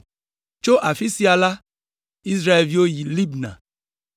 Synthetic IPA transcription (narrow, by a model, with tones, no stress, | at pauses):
t͡ʃo˦ʔa˨fi˦si˦a˨la˦ | i˦sɾa˦ɛ˨lvi˦o˦ji˨li˦bnã̰˨